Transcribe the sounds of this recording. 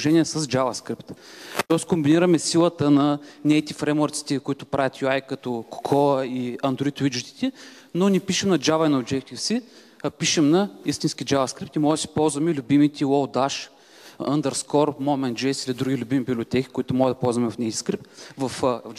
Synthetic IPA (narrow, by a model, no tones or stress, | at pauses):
ʒɛnʲiɛsɐzd͡ʒavɐskɾipt̪t̪ɔskombiniɾɐmɛsilˠət̪ənɐnɛjt̪ifɾɛmoɾt̪si̥t̪ɛkʊit̪ʊpɾavʲɐt̪juajkɐt̪ɔko̥kʰɔəiɐnd̪ɾoit̪vid͡ʒut̪i̥t̪ɛ | nonipiʃɛmnɐd͡ʒavɐjnod͡ʒ̪ɛkt̪ifsi | piʃɛmnɐist̪insk̟ʲid͡ʒavɐskɾip̚t̪imɔʒɛd̪əsi̥pɔlˠzvɐmɛilʲʊbimit̪ʲiɔlˠd̪aʃ | ə̰nd̪ɐɾskɔɾmomɛnd͡ʒɛsilid̪ɾuɡʲilʲʊbimibiblʲiot̪ɛki̥kʊit̪ʊmɔʒɛd̪ɐpɔlˠzvɐmɛvɐfnɛjt̪i̥skɾip̚t̪vɐf